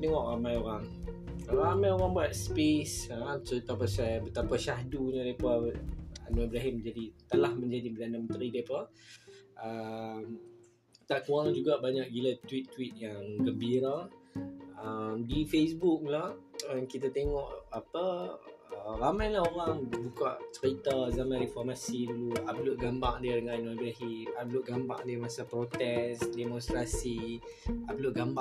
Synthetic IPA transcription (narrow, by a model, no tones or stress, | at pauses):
t̪eŋɔʔramajoɾaŋ | ɾamajoɾaŋbuat̪̚spesəsəit̪ap̬asajbət̪apaʃadunudapa | a̰noibɾaɦimd͡ʒadit̪alahmə̃ɲd͡ʒadipədanamənt̪ɾidaapa | əm | t̪aʔkuaŋd͡ʒuɡaʔbaɲak̚ɡilat̪wit̪ːwit̪̚jaŋɡəmbiɾa | əmdifesbuk̚lahəkit̪at̪eŋɔʔapə | əramajlahoɾaŋbukaʔt͡ʃəɾit̪azamãnɾifɔrmasiduluabluʔ̚ɡambaŋdiədəŋãnnobɾaɦimabluʔɡambaŋdiəmasapɾot̪ɛsdemɔ̃nst̪ɾasi | abluʔɡamba